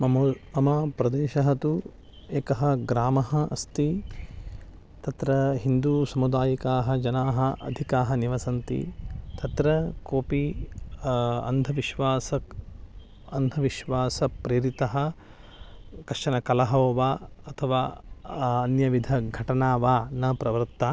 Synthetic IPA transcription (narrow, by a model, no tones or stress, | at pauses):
mɐmmɐmɐpɾɐd̪eːʃɐɦɐt̪u | eːkɐɦɐɡɾaːmɐɦɐʔɐst̪i | t̪ɐt̪ɾɐɦind̪usɐmud̪aːjikaːɦɐd͡ʒɐnaːɦɐʔɐ̰d̪ʱikaːɦɐniʋɐsɐnt̪ḭt̪ɐt̪ɾɐkoːpi | ɐ̰nd̪ʱɐʋiʃʋaːsɐk | ɐnd̪ʱɐʋiʃʋaːsɐpɾeːɾit̪ɐɦɐ̆ | kɐʂɐnɐkɐlɐɦɐːʋaːɐt̪ʰɐʋaː | ɐnjɐʋid̪ʱɐɡʱɐʈɐnaːʋaːnɐpɾɐʋɐɾtt̪ːaː